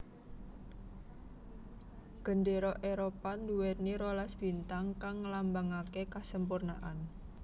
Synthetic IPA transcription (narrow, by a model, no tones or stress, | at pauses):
ɡ̥ə̤nɖeɾɔʔeɾopand̪uwet̪̚niɾolasb̥int̪aŋkaŋːlambaŋakekasəmpurna̰ʔan